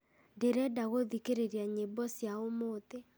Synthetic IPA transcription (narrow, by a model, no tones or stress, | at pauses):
ndeɾɛdaɣoðikeɾeɾjaɲebɔsjaomot̪e